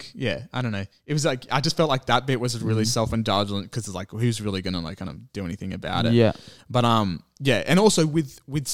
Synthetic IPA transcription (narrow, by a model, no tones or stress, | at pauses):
jæaɪɾõʊ̃nːoʊ | ɨt̚wʌzlaɪka̰ɪd͡ʒʌstfɛlˠtˡlaɪk̚ðət̚b̥ɪʔ̚wʌzɨ̃ɹɪlˠisɛlˠfɨ̃ndɑd͡ʒlˠə̃nkʰʌzɨtslaɪkhʉwʌzɹɪlˠiɡʌnəlaɪkʰãɪ̃ndʌvd̥ɨɛniθɪ̃ŋɨba̰ʊɾɨ̰tj̚æb̥ʌɾʌ̃mjæʔɨ̃ñɔlˠsoʊwɪðwɪð̥s